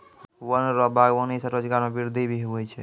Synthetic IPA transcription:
wənɾɔbaɡwənisəɾod͡ʒɡaɾmebiɾd̪ʱibʱiɦuəjt͡ʃʰɛ

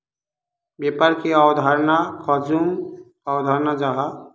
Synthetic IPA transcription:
bepəɾkeawd̪ʱaɾnakʰɔd͡ʒum | awd̪ʱaɾnad͡ʒaɦa

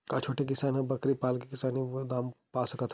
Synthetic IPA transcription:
kat͡ʃʰoːʈek̬ɪsaːnɦɐ̃bɐkɾipaːlkikɪsaːniod̪aːmpaːsɐkət̪ʰ

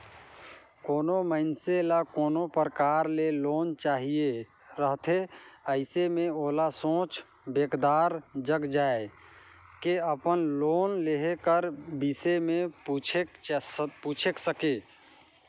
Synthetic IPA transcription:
koːnoməɪnselakoːnopɾəkaːɾleloːnt͡ʃaːɦie | ɾəɦt̪ʰeəɪsemẽoːlasõːt͡ʃ | beːkd̪aːɾd͡ʒəɡd͡ʒaːe | keəpənloːnleɦekəɾbisemẽt͡ʃʰ | put͡ʃʰeksəke

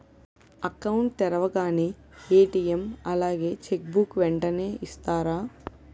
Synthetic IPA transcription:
ɐkɐwuɳʈt̪ɛɾɐʋɐɡaːneː | eːʈiːjemɐlaːɡe̞ːt͡ʃek̚bukʋɛɳʈɐneːʔist̪aːɾaː

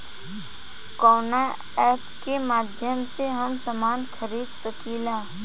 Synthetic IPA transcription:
kɔːna | ɛːpkemaːd̪ʱjəmseɦɐmsɐmaːnxəɾiːd̪səkiːlaː

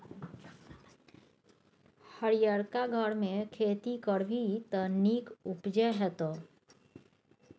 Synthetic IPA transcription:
həɾijəɾkaɡʱəɽmẽkʰeːt̪ikəɽbʱit̪ənikʊpd͡ʒəɦɛt̪oː

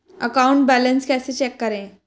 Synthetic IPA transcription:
ə̰kauɳʈ̚bælənskɛset͡ɕɛkːəɾẽ

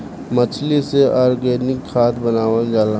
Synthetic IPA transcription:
mət͡ʃʰliseʔaːɾɡeːnɪkʰːaːt̪ʰbənaːwənd͡ʒaːla

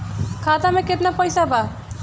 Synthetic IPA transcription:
kʰat̪amekeʈ̪napʌjsaba

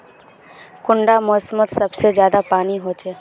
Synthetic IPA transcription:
kʊ̃ɳɖamɔːsmət̪sɐbsezjaːd̪apaːniɦoːt͡ʃeː

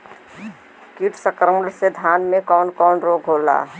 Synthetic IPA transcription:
kiʈsəkɾəmɾsed̪ʱaːnmẽkɔːnkɔːnɾoːɡʱɦola̰ː

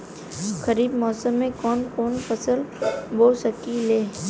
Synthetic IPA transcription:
xəɾiːbmɔːsəmːẽkɔːnkɔːnfəsəlʋoːsəkileː

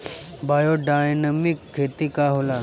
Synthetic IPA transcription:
bajoɖajnəmikʰːet̪ikaɦola

